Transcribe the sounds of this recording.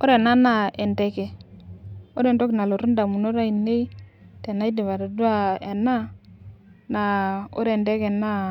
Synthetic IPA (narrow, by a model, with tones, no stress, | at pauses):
o˦ɾe˨na˦na˦˨e˨ndɛ˦ke˨ | o˦ɾe˨ndo˦ki˨na˨lo˨ɾu˦da˨mu˨no˦ɾa˦i˨ne˦i˦te˨na˦i˦di˨βa˨ɾa˨du˦a˦e˨na˦ | na˨o̰˦ɾe˦˨ndɛ˦kɛ˨na˦